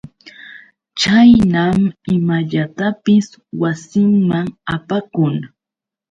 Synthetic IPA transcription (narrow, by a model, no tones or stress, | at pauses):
t͡ʃajnamɪmaʎat̪apɪswasɪŋmaŋapakʊŋ